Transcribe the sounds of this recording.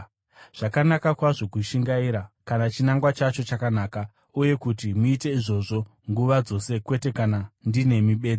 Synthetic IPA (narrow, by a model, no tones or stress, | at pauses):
ʐ̥akanakakwaʐo̞kuʃiŋɡaiɾakanat͡ʃinaŋɡwat͡ʃat͡ʃo̞t͡ʃakanaːka | uje̞kutimuite̞iʐo̞ʐo̞ | ŋɡuʋad͡zo̞se̞kwe̞te̞kanandine̞miɓe̞ːd͡zi